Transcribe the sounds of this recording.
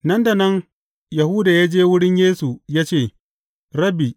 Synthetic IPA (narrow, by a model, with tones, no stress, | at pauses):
nɐ˦nda˨nɐ˦ŋ | ja˨huː˦da˨jaː˦d͡ʒeː˦wʊ˦ɽɪ˦ɲjeː˦su˨jaː˦t͡ʃeː˦˨ | ɾɐ˦bi˨